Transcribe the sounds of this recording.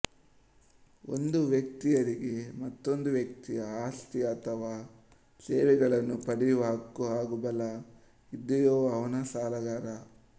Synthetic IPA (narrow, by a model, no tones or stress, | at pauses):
o̰nd̪uʋjɐk̚t̪ijɐɾiɡemɐt̪ːo̞nd̪uʋjɐk̚t̪ijɐaːst̪ijɐːt̪ʰɐʋaː | seːʋɛɡɐɭɐnːupɐɽijuʋɐɦɐkːuaːɡubɐlɐ | id̪ːijɔːʋɐʋɐnɐsaːlɐɡaːɾɐ